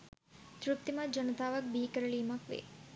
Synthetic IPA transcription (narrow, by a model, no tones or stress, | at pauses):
t̪ɾupt̪ːimɐd͡ʒɐnɐt̪aːʋɐk̚bʱiːkɐɾɐɭimɐkʋḛː